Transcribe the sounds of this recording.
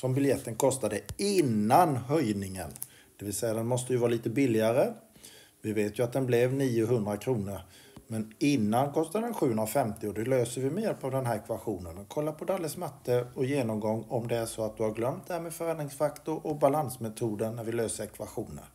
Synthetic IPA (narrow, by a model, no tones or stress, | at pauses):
sɔmbɪljɛt̪ːənkʰɔst̪ad̪əɪnːanɦœjnɪŋən | d̪̥ɛvɪlsɛjːad̪ɛnmɔst̪əjɵvɑːɾaliːt̪əbɪlːɪaɾə | vɪveːt̪jɵat̪̚d̪ɛnblɛvniːʊɦɵnd̪ɾakʰɾuːnəɾ | mɛnɪnːankʰɔst̪ad̪əd̪ɛnɧʉ̟ːɵnɾafɛmt̪ɪɔd̪ɛløːsəɾvɪmɛjɛlpavd̪ɛnɦæːɾɛkvaɧuːnənmɛnkʰɔlːapʰɔd̪alːəsmat̪ʰːəɔjeːnɔmɡɔŋːɔmd̪ɛæʂɔat̪̚d̪ɵhaɾɡlœmt̪̚d̪ɛhæːɾmeːdfœɾɛnd̪ɾɪŋsfakt̪ʊɾɔbalansmɛt̪ʰuːd̪ənnæɾvɪløːsəɾɛkʰvaɧuːnə̰ɾ